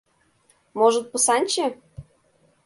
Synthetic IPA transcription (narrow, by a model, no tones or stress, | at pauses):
moʒə̆t̪̚pɤ̆sɑnʲt͡ɕe